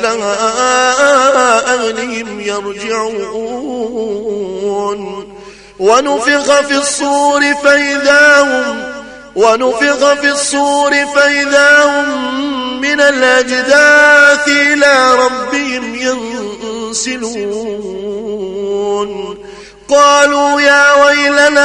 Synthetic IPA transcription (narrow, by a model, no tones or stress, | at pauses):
laʔaʔaʔaːʔahlɪhɪmjɑɾˤd͡ʒɪʕuːʔu | n | wanʊfɪɣɑfiːsˤːuːɾɪfaʔɪðaːhʊm | wanʊfɪɣɑfisˤːuːɾɪfaʔɪðaːhʊmː | ɪnalʔad͡ʒd̪aːt̪ɪʔɪlaːɾˤɑbːɪhɪmjan | sɪluː | n | qɑːluːjaːwajla